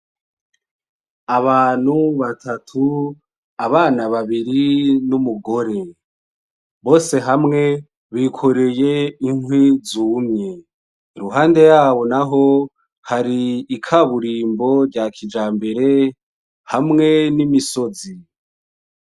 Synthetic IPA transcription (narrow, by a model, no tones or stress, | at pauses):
aβaːn̥huβatʰatʰu | aβaːnaβaβiɾinumuɡo̞ɾe̞ | βo̞ːse̞ɦamŋe̞ | βikʰo̞ɾe̞je̞iŋhwizuːmɲe | ɾuɦaːnde̞jaːβo̞naɦo̞ | haɾiːkʰaβuɾiːmbo̞ɾɟakʰid͡ʒaːmbe̞ɾe̞ | hamŋe̞nimiso̞zi